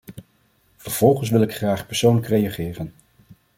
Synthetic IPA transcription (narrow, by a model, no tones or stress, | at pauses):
vəɹv̥ɔlˠχəns̬ʋɪlˠɪkχraːχpɛɹsownləkrejaχɪːrən